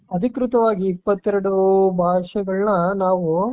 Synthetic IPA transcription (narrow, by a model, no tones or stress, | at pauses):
ɐd̪ʱikɾut̪ɐʋaːɡiːpːɐt̪ːɛɾɐɽubʱaːʂɐɡɐɭnɐnaːʋu